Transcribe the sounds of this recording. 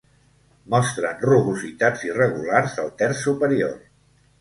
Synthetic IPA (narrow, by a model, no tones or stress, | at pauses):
mɔst̪ɾənruβuzit̪ad͡zirəɣularzəlˠt̪ɛɾsːupəɾio̰r